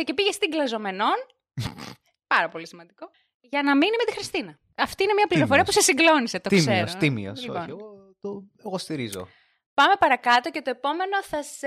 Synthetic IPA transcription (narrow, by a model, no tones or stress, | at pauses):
ece̞piʝest̪iŋɡlɐzo̞me̞no̞n | pɐɾɐpo̞lisimɐnd̪iko̞ | ʝɐnɐminime̞t̪ixɾist̪inɐ | ɐft̪inemɲɐpliɾofo̞ɾiɐpusesiɡlo̞niset̪o̞t̪kseɾosimḭo̰ioonieɣo | t̪oeɣost̪iɾizo̰ | pɐme̞pɐɾɐkɐt̪o̞cet̪oepo̞me̞no̞θɐs